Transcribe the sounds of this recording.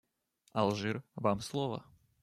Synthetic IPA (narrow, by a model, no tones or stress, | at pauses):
ɐlˠʐɨrvamslˠɔvɐ̰